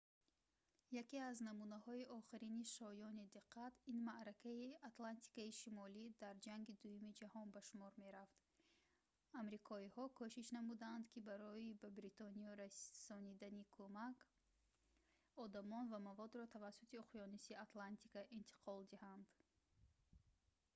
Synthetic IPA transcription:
jakiaznamunahɔiʔɔχiɾiniʃɔjɔnid̪iqʰːat̪inmaʔɾakʰaiat̪lant̪ʰi̥kaiʃimɔlid̪aɾd͡ʒaŋɡid̪ujumid͡ʒahɔnbaʃumɔɾme̞ɾaft̪ | amɾikʰɔihɔkʰɔʃiʃnamud̪aːnd̪kʰibaɾɔibabɾit̪ʰɔniɔɾassɔnid̪anikʰomak | ɔd̪amɔnvamavɔd̪ɾɔt̪ʰavasːut̪ʰiuqjɔnisiat̪lant̪ʰikaʔint̪ʰi̥qʰɔld̪ihand̪

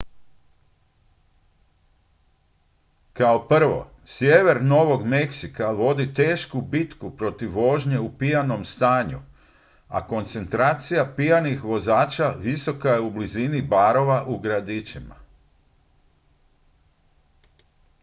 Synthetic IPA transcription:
kaopr̩ʋo̞̰ | sjeʋe̞ɾno̞ʋo̞ɡme̞ksikaʋo̞d̪it̪e̞ːʃkubit̪kupɾo̞t̪iʋːo̞ʒɲe̞upijano̞mst̪aːɲu | a̰ko̞nt̪se̞nt̪ɾaːt̪sijapijanixʋo̞zaːt͡ʃaʋiso̞kaje̞ublizinibaɾo̞ʋaʔuɡɾad̪it͡ʃima̰

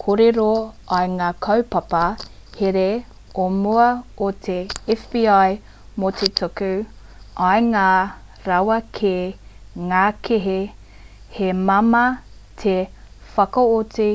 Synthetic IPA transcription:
kʰoɾeɾoɐjŋaːkʰɐwpɐpɐ | heɾe | omuɐot̪ʰeɛfb̥iːaj | mot̪ʰetʰokʉ | ʔɐjŋaː | ɾɐwɐkʰe | ŋaːkʰeɦe | hemɐmɐ | tʰefɐkɐot͡si

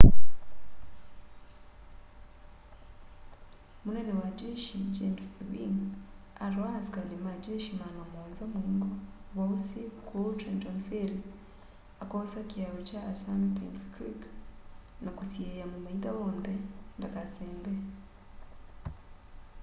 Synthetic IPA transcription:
munenewad͡ʒeːʃid͡ʒemswḭŋaɾwazikalimad͡ʒeʃimanamoːnzamuŋɡo | βausikʰutɾend͡ʒonfeɾi | akosakiaβot͡ʃaːsamipḭŋkkɾik | nakusiejamumait̪aβoːndendakaseːmbe

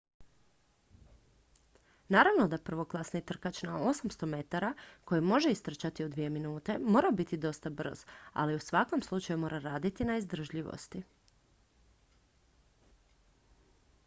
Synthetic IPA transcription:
naːɾaʋno̞d̪apr̩ʋo̞klˠasnit̪r̩kat͡ɕnaosamst̪o̞me̞t̪aɾako̞jimo̞ʒe̞ist̪r̩t͡ɕat̪iud̪ʋije̞minuːt̪e̞mo̞ːɾabit̪id̪o̞st̪abr̩̰z̥a̰liusʋako̞mslˠut͡ʃajumo̞ːɾaɾaːd̪it̪inaizd̪r̩ʒʎiʋo̰st̪i

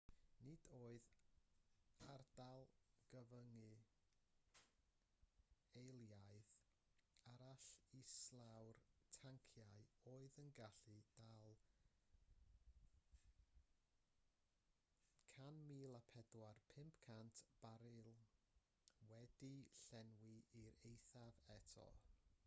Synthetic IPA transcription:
nɪd̥oːɨð | ard̥alˠɡ̥əvəŋɨ | ejlˠjaɨð | aɾaɬislˠawrtʰaŋkʰjaɨoːɨðənɡaɬɨd̥alˠ | kʰanmiːlˠapʰɛdwarpʰɪmpkʰantʰb̥aɾɨlˠ | wɛdiɬɛnwiiɾejθavɛtʰɔ̰

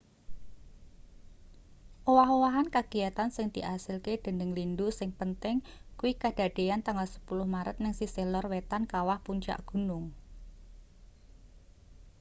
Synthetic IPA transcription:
ʔowaɦowaɦankaɡ̥i̤jat̪ansɪŋd̪̥i̤ʔasɪlked̪̥ə̤nəŋlindusɪŋpənt̪ɪŋkuwikad̥a̤d̪̥e̤jant̪aŋalsə̥pulʊhmaɾə̰t̪̚nɪŋsiselɔrwet̪ankawahpuɲt͡ʃa̰ʔɡ̥ṳnʊŋ

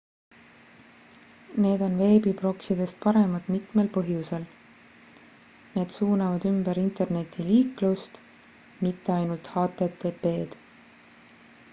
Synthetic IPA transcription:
ne̞ːd̪̥o̞nve̞ːbib̥ro̞ksid̪̥e̞st̪̚pɑɾe̞mɑt̪mit̪me̞lpɤɦjuse̞l | ne̞ːd̪̥suːnɑvɑd̪̥ymbeɾint̪e̞rne̞t̪ːˑiliːklust̪ | mit̪ːe̞ɑjnult̪hɑːt̪ːˑe̞t̪ːepːe̞ːd̪̥

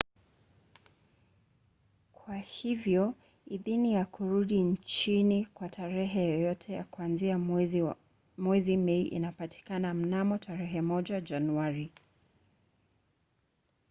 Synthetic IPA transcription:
kʰwahivjɔ | iðinijakuɾuɗint͡ʃinikwatʰaɾɛɦɛjɔjɔtʰɛja̰kuanzia | mwɛzimɛiʔḭnapati̥kanam̩namɔtʰaɾɛɦɛmɔʄad͡ʒanuaɾi

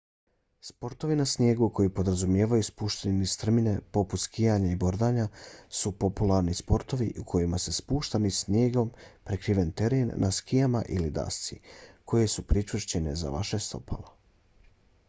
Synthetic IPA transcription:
spo̞ɾt̪o̞ʋinasnje̞ːɡukʰo̞jipo̞d̪ɾazumje̞ːʋajuspuːʃt̪ennist̪r̩mine̞po̞put̪skijaɲaibo̞ɾd̪aːɲasupo̞pulˠaɾnispo̞ɾt̪o̞ʋiʔukʰo̞jimase̞spuːʃt̪anisnje̞ːɡo̞mpɾekɾiʋe̞nt̪e̞ɾenːaskijama̰ʔilid̪a̰st̪sikʰo̞je̞supɾit͡ʃrʃt͡ɕe̞ne̞za̰ʋa̰ʃe̞st̪o̞̰pʰa̰la

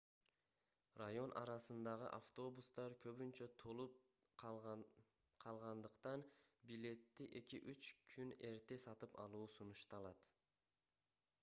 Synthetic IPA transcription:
rajo̞nʔɑ̰ɾɑsɯnd̪ɑʁɯʔaft̪o̞bust̪ɑɾkʰø̞βynt͡ʃøt̪ʰolˠup | qʰɑlˠʁɑnd̪ɯqt̪ɑnbilʲe̞t̪ːiʔe̞kiʔyt͡ʃkʰyne̞ɾt̪esɑt̪ɯpɑ̰lˠuːsunuʃt̪ɑlˠɑt̪

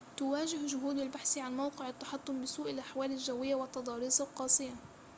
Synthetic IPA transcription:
t̪ʊwaːʒɪhʒʊɦuːd̪albaħsiʕanmawqɪʕɪt̪ːɑħɑt̪ˤːʊmbɪsuːʔɪlʔaħwaːlɪlʒawːɪjːawɪt̪ːɑd̪ˤɑːɾɪsˤɑwqɑːsˤɪja

